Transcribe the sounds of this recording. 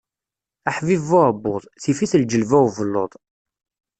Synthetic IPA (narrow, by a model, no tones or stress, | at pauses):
aħvivʊɾbːʊðˤθifiθld͡ʒəlvæwvəlːo̰ðˤ